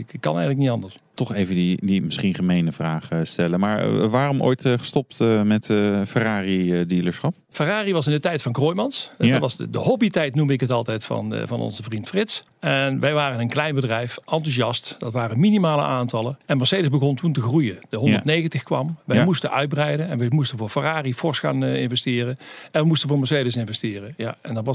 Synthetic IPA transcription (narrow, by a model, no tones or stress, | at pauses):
kkːɑ̰nɛ̰jxənlək̚nitɑndəɹs | tɔχejvədidimɪsχinχəmejnəvraːχəstɛləmaːɹʋaːrɔmʔo̰ːjtχə̥stɔp̚tmɛtfəraːridiləɹsχɑp̚faraːriʋɑsɪndətɛjtfɑnkroːjmɑnsdʋɑsdə̰hɔbitɛjtnumɪkɦətɑlˠtɛjtfɑ̰n̰vɑ̰nɔ̰nzəvrintfrɪts | ɛnʋɛjʋaːrənənklɛjnbədrɛjfʔɑntuzɑstd̥ɑtʋaːrəminimaːlə̰ʔaːntɑləɛnməɹsejdəzbəɣɔntuntəɣrujədəɦɔndətnejɣəntəxkʋɑ̰mʋɛjmustənʔœ̰ɥd̚brɛjdənɛ̰nʋɛmustənvʊːɹfaraːrifɔɹsxa̰ːnɪnvɛstɪːrənɛnʋəmustənvʊːɹməɹsejdəsɪnvɛstɪːrənja̰ɛ̰ndɑtʋɑ